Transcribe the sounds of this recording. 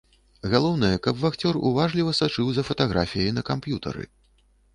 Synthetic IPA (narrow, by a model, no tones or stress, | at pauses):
ɣalˠɔwn̪ɐjɛkɐbvaxt͡sʲɔrṵvaʐlʲivɐsat͡ʂɨwzɐfɐt̪aɣɾafʲijɐjnɐkampjut̪ɐ̰ɾɨ̰